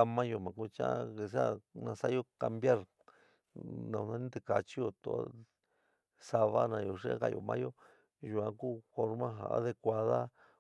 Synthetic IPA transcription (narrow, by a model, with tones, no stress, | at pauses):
a˧mã˦jo˧mã˨ku˦t͡ʃã˦a˦˧ke˧˨s̬a˦nã˧sa˦jo˦ka˧mbja˦ɾ | nã˧ã˧nĩ˦t̪e˧˨ka˧t͡ʃi˦jo˧t̪o̰˧˨˦ | sa˧βa˦nã˧jo˨ʂe˦ka˧˨jo̰˨mã̰˦jo˦ | ʒu˨ã˧ku˦fo˧ɾmã˦ɦa̰˨˦ðe˧kʷa˧ða˦